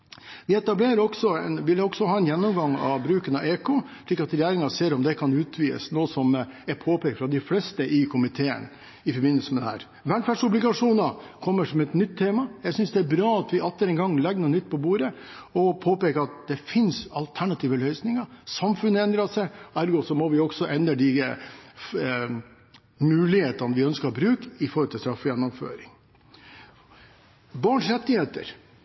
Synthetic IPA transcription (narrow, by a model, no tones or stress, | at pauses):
ʋɪɛt̪ɑbleːɾəɾɔɡ̥sɔɛnʋɪlːɔɡsɔɦɑːɛnjɛnːɔmɡɑŋɑ̰ʋbɾʉːkənɑeːkʰoːʂɭɪkːɑt̪ɾɛjæːɾɪŋɑseːɾɔmd̪ɛkʰɑnʉːt̪ʰʋiːə̰snoːsɔmɛpʰoːpeːk̪fɾɑd̪ɪflɛst̪əʔɪkʰʊmɪt̪ʰeːə̰n | ɪfɔɾbɪnːəlsəmɛd̪ɛhæ̰ːɾ | ʋæɳfæːɖʂʊblɪɡɑʂuːnɑkʰɔmːəʂɔmɛt̪nʏt̪ʰːeːmɑjæɪsʏnsd̪ɛæɾbɾɑːɑt̪ʋɪʔɑt̪ːəɾɛnŋɡɑŋːlɛɡənuːnʏt̪ːpʰɔbuːɾə | ɔpʰoːpeːkəɾɑt̪̚d̪̥ɛfɪnsɑlt̪ʰæɳɑt̪ʰiːʋəlœʏsnɪŋɑsɑmfʉnːəɛnd̪ɾɑsɛæɾɡoːsɔmɔʋɪɔɡsɔʔɛnəɖɪ | mʉːlɪheːt̪ɑnʋɪœnskəɾbɾʉːkɪfɔɾhɔlt̪ʰɪlst̪ɾɑfːʊjɛnːʊmfø̰ːɾɪŋ | bɑːɳʂɾɛt̪ːɪheːt̪ə̰ɾ